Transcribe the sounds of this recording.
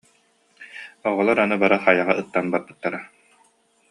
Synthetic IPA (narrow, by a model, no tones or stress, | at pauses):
ɔʁɔlˠaɾanɯbaɾaχajaʁaɯt̪ːanbaɾ̚bɯ̥t̪ːaɾa